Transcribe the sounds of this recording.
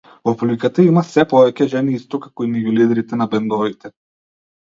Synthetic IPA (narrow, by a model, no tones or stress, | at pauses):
vɔplikat̪aimasɛpɔvɛcɛʒɛniist̪ɔkakɔinɛɟulid̪ɾit̪ɛnabɛnd̪ɔvit̪ɛ